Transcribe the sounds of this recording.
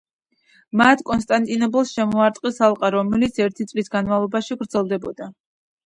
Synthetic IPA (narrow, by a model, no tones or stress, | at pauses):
mat̪ʰkʼɔnst̪ʼant̪ʼinɔpɛlˠsʃɛmɔaɾt̪ʼqʼisalˠqʼaɾɔmɛlit̪sʰɛɾt̪ʰit̪sʼlisɡanmalˠɔbaʃiɡɾd̪zɛlˠd̪ɛbɔ̰d̪a